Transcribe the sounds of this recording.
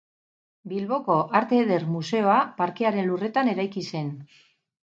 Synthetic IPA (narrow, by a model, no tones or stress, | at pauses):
bilβo̞ko̞ʔaɾt̪eðe̞ɾmuse̞o̞apaɾkeaɾe̞nlure̞t̪ane̞ɾajkise̞n